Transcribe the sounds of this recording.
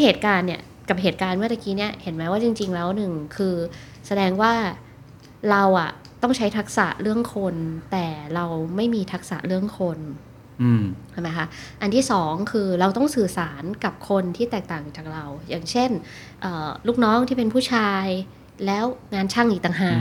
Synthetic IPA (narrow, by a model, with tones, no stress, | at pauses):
heː˨˩t̪̚kaː˧nːi˧˥˩ɐ | ka˨˩p̚ɦeː˨˩t̪̚kaː˧nmɯ˥˩t̪a˧˩kiː˦˥ni˦˥˩ɐhe˩˦nmɛː˦˥waː˥˩t͡ɕi˧ŋt͡ɕi˧ŋlɛː˦˥wnɯ˨˩ŋkʰɯː˧ | sa˧dɛː˧ŋwaː˥˩ | ɾa˧wʔa˨˩ | t̪ɔ˥˩ŋt͡ɕʰa˦˥jt̪ʰa˦˥k̚sa̰˨˩ʔɾɯ˥˩əŋkʰo˧nt̪ɛː˨˩ɾa˧wma˥˩jmiː˧t̪ʰa˦˥k̚sa̰˨˩ʔɾɯ˥˩əŋkʰo˧n˧˩ | t͡ɕʰma˦jkʰa˦˥ʔa˧nt̪ʰiː˥˩sɔː˩˦ŋkʰɯː˧ɾa˧wt̪ɔ˥˩ŋsɯː˨˩saː˩˦nka˨˩p̚kʰo˧nt̪ʰiː˥˩t̪ɛː˨˩k̚t̪aː˨˩ŋt͡ɕaː˨˩k̚ɾa˧wjaː˨˩ŋt͡ɕʰe˥˩n | ʔəː˨˩luː˥˩k̚nɔː˦˥ŋt̪ʰiː˥˩p̬e˧npʰuː˥˩t͡ɕʰaː˧j | lɛː˦˥wŋaː˧nt͡ɕʰa˥˩ŋʔiː˨˩t̪a˨˩ŋɦaː˨˩